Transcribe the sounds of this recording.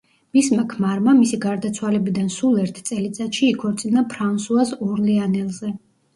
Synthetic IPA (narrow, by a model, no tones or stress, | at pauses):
mismakʰmaɾmamisiɡaɾd̪at̪sʰwalɛbid̪ansulˠɛɾt̪ʰt̪sʼɛlit̪sʼat̪ʃiːkʰɔɾt̪sʼinapʰɾansuasɔɾlianɛlˠzɛ